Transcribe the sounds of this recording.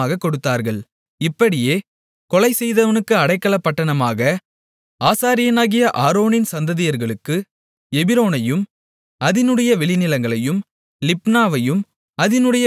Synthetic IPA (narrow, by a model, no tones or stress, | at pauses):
aːɣɐkːɔɽɯt̪ːaːɾɣɐɭ | ɪpːɐɽɪjeː | kɔlɐɪsɛjðɐʋɐnɯkːɯɐɽɐɪkːɐɭɐpːɐʈːɐɳɐmaːɣɐ | aːsaːɾɪjɐnaːɣɪjɐʔaːɾoːnɪnsɐnd̪ɐðɪjɐɾɣɐɭɯkːɯ | ɛbɪɾoːnɐjɯm | ɐðɪnɯɽɐjɐʋɛɭɪnɪlɐŋɡɐɭɐjɯm | lɪpnaːʋɐjɯm | ɐðɪnɯɽɐjɐ